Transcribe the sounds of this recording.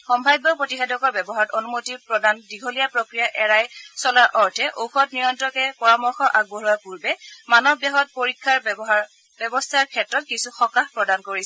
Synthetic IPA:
xɔmbʱajbɔpɹotixɛdɔkɔɹbɛbɔɦaɹɔtonumotipɹɔdandiɡʱolijapɹokɹijaʔɛɹajsɔlaɹʔɔɹtʰɛʔoxɔtniɹɔntɹɔkɛpɔɹamɔɹxɔʔaɡ̚bɔɹɔjpuɹbɛmanɔbjaɦɔt̚poɹikʰːaɹ | bɛbɔstʰaɹkʰɛtɹɔt̚kisuxɔkaxpɹɔdankoɹisɛ

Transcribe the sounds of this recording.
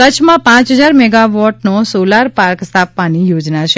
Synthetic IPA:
kət͡ʃʰmãpãt͡ʃɦəd͡ʒaɾmɛɡaʋɔʈnosolaɾpaɾkst̪ʰapʋanijod͡ʒnat͡ʃʰe

